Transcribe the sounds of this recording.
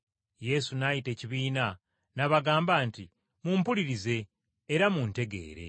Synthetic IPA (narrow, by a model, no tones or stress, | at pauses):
je̞sunajite̞ːciβiːna | naβaɡaːmbaːnti | muːmpuliɾize̞ː | ɾamunte̞ɡe̞̰ːɾe̞̰